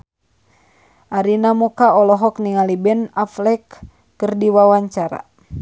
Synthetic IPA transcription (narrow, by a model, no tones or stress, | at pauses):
ʔaɾinamukaɔlɔɦɔkniŋalibɛnaflɛkː | ɨrdiwawaɲt͡ʃaɾa̰